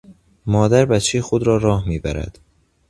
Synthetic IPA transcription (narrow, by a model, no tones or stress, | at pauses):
mɒːd̪æɾbæt̪t͡ʃʰejxod̪ɾɒːɾɒːhmiːbæɾæ̰d̪̥